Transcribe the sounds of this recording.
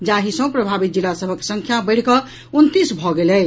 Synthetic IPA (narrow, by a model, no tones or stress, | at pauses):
d͡ʒaɦisə̃pɾəbʱabit̪̚d͡ʒilːasəbʱəkːe̥sə̃ŋkʰjabəɪɽ̤kɔ | unt̪isbʱɔɡelɛ